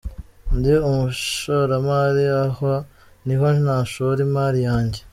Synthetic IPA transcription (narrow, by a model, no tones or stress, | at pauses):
ndiumuʃoɾamaːɾiaho | nihonnaːʃoɾimaːɾijaːɲɟe